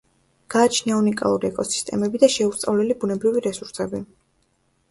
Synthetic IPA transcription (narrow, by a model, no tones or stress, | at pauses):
ɡ̥aːt͡ʃʰniaunikʼa̰lˠuɾiɛkʼɔsi̥st̪ʼɛ̰mɛbid̪aʃɛust̪sʼa̰vlɛlibunɛbɾiviɾɛsuɾsɛbi